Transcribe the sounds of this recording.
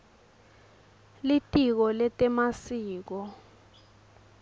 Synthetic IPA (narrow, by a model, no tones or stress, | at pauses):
litʼik̬ɔlɛtʼɛmasiːk̬ɔ